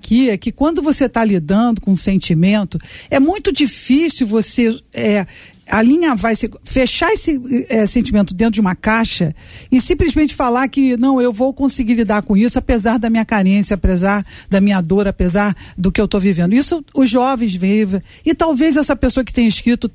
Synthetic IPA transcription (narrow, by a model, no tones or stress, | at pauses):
kʰiɛkɪkwɐ̃nd̪ʊvoset̪alid̪ɐ̃d̪ʊkõũsẽnt͡ʃimẽnt̪ʊɛmũj̃t̪ʊd͡ʒifisuwvoseɛ | alĩɲɐvajsɪfeʃaesɪɛsẽnt͡ʃimẽnt̪ʊd̪ẽt̪ɾʊd͡ʒɪũmɐkaʃɐ | ɪsĩmplizmẽnt͡ʃɪ̥falaɾkɪnɐ̃w̃ewvowkõsɪɡilid̪aɾkõisʊapezaɾd̪ɐmĩɲɐkaɾẽsjɐapezaɾd̪ɐmĩɲɐd̪oɾapezaɾd̪ʊkɪewt̪ovivẽnd̪ʊisʊʊzʒːɔvẽj̃zvivɐ̃ | ɪt̪awvezɛsɐpesoɐkɪ̥t̪ẽj̃ɪʃkɾit̪ʊ